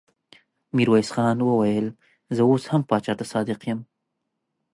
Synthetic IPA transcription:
miɾwajsxɑnwəwajəl | zəoshampɑt͡ʃɑt̪asɑd̪ɪqjəm

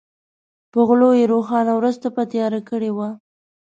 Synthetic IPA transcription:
pəɣlojeɾoxɑnawɾuzt̪apət̪jɑɾakəɽewa

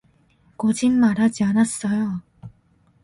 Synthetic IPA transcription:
kod͡ʑimmaɾad͡ʑianas͈ʌjo

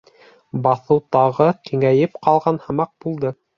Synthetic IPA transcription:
bɑθɤwt̪ɑʁɤkiŋæjɘpqɑlˠʁɑnhɑ̆mɑq̚b̥ulˠd̪ɤ

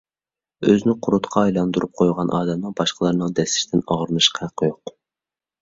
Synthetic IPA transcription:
øznɪqʰʊɾut̪qʰɑːjlˠɑnd̪uɾup̚qʰojʁɑnʔɑːd̪ɛmnɨŋbɑʃqʰəlˠɑɾnɨŋd̪ɛsɪ̥ʃt̪ʰɪnɑʁɾnɨʃqʰɑqʰːojʊq

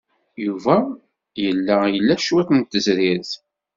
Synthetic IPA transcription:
juvæ | jəlːæjəlːæʃwæθnt̪ːəzɾɪɾθ

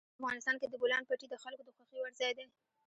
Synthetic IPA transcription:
afɣɑnɪst̪ɑnked̪əbolɑnpaʈid̪əxalkod̪əxwaxiwaɾzɑjd̪e

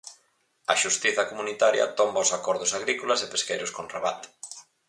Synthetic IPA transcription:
ɐʃust̪iθɐkomunit̪aɾjɐ̰t̪ɔmbaʊsakɔɾðʊsaɣɾikolɐsepeskejɾʊskonreβat̪

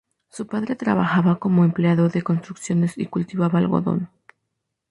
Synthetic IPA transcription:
supaðɾe̞t̪ɾa̰βaxaβako̞mo̞empleaðo̞ðe̞ko̞nst̪ɾuksjo̞ne̞sikult̪iβaβaːlɣo̞̰ðo̞̰n

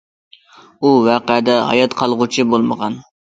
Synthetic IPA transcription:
uwɑqɪd̪ɛɦɑ̰jɑt̪qʰɑlˠʁʊt͡ʃʰɪbolˠməʁɑn

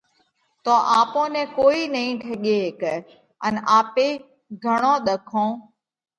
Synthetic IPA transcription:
t̪oːʔaːpõːnɛ̃ːkoːiːnəĩːʈʰeɠeːɦke | ənaːpeː | ɡʱəɳ̃õːɗ̪əkʰõː

